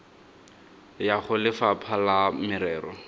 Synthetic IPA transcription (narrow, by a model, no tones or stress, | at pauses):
jaχʊlɪfapʰalamɪɾɛːɾɔ